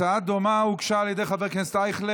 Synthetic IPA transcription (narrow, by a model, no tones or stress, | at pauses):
ad̪omaukʃaːljɛd̪ejχavɛʁkensd̪ajχle